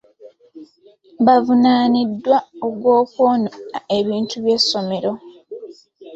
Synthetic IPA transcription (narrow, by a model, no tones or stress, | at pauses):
βavunaːnidːwaoɡwoːkone̞βiːntʰuβje̞sːo̞me̞ɾo̞